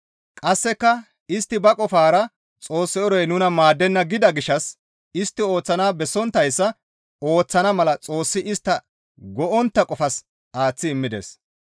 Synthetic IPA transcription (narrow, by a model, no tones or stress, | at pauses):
kʼɐsːɛkːɐ | ɪst̪ːɪbɐkʼɔfaːɾɐ | t͡sʼo̞ːsːɪɔɾɔjnʊnɐmaːd̪ːɛnːɐɡɪd̪ɐɡɪʃːɐs | ɪst̪ːɪo̞ːt͡sːɐnaːbɛsːɔnt̪ːɐjsːɐ | o̞ːt͡sːɐnɐmɐlɐt͡sʼo̞ːsːɪʔɪst̪ːɐ | ɡɔʔɔnt̪ːɐkʼɔfɐs | aːt͡sːɪɪmːɪd̪ḛs